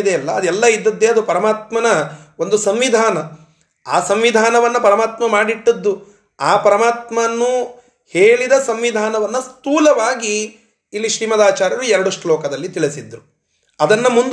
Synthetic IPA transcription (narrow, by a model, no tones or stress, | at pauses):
d̪eɐlːɐːd̪ɛlːɐid̪ːɐd̪ːeːɐd̪upɐɾɐmaːt̪̚mɐnɐo̞nd̪usɐmʋid̪ʱaːnɐ | aːsɐmʋid̪ʱaːnɐʋɐnːɐpɐɾɐmaːt̪mɐmaːɽiʈːɐd̪ːu | aːpɐɾɐmaːt̪mɐnːu | heːɭid̪ɐsɐmʋid̪ʱaːnɐʋɐnːɐst̪uːlɐʋaːɡiː | lːiʃɾiːmɐd̪aːt͡ʃaːɾjɐɾuɛɾɐɽuʂʈulɔːkɐd̪ɐlːit̪iɭisid̪ːɾu | ɐd̪ɐnːɐmund̪